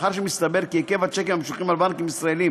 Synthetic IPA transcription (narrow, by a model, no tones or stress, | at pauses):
χaʁʃ̬emist̪abe̞ʁkieke̞vat͡ʃekemamʃuχimalbankimisʁaelim